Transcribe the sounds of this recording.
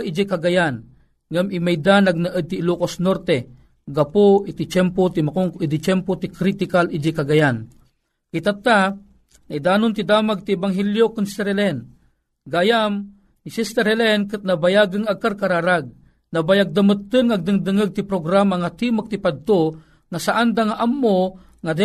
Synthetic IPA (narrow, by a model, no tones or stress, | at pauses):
ʔid͡ʒikaɡajan | ŋamimajd̪anaɡ̚naʔəd̪̚t̪ilukosnoɾt̪ɛ | ɡapoit̪it͡ʃɛmpot̪imakoŋkid̪it͡ʃɛmpot̪ikɾit̪ikalʔid͡ʒikaɡajan | kit̪at̪ːa | naid̪aːnʊnt̪id̪amaɡ̚t̪iɛbaŋɦɛljokɨnsɛɾɛlɛn | ɡajam | nisist̪ɛɾhɛlɛnkɨt̪̚nabajaɡɨŋakarkaɾaɾaɡ̚ | nɐbajaɡ̚d̪amɨt̪ːɨnŋaɡ̚d̪ɨŋd̪ɨŋɨɡ̚t̪ipɾoɡɾamaŋat̪imak̚t̪ipad̪̚t̪o | ŋasaʔand̪aŋaʔamːo | ŋad̪ɛ